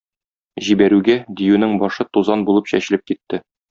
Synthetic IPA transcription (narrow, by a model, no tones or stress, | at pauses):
ʑibæɾʉɡæd̪ijʉnɘŋbɒʃɤt̪uzɑnbulˠɤpɕæɕɘ̆lɘp̚kit̪ːɘ